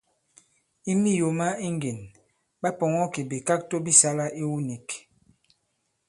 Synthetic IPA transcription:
i˦mi˦jo˨ma˦i˦ŋɡe˨n | ba˦pɔ˨ŋɔ˦ki˨bi˨ka˦k̚to˦bi˦sa˦la˦ʔi˦wu˦ni˨k

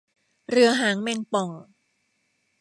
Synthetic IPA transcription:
ɾɯ˧ɐɦaː˩˦ŋmɛ˧ŋpɔ˨˩ŋ

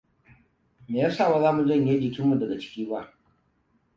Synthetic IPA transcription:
meː˨ja˦saː˦˨wa˦zaː˦mu˨zɐ˦˨ɲja˦d͡ʒɪ˨kʲɪ˦mːu˨dɐ˨ɡa˨t͡ʃɪ̥˦kʲiː˦ba˦ʔ

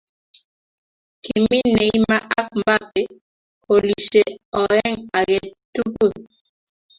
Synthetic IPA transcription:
ki˨mi˦ne˨i˦ma˦ʔa˦k̚mba˦pe˨ | ko˨li˨ʃe˨ɔ˨ɛ˦ŋa˨ɡe˨tu˦ko˦˨

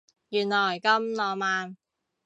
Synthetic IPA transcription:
jyː˨˩nlɔː˨˩jkɐ˧˥mlɔː˨˩maː˨n

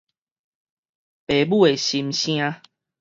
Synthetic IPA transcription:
pe˨˩bu˥˦˨e˨˩ɕi˧mɕj̃ã˦˧

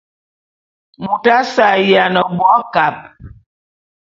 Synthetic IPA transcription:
mu˨ta˦sa˨ja˨nə˨bwɔ˦ka˨p̚

